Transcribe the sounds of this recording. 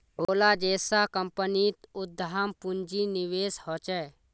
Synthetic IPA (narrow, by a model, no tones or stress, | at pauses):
ɦoːlaːd͡ʒeːsakəmpənit̪ʊd̪ʱːampʊnd͡ʒinɪʋeːshɔt͡ʃɛː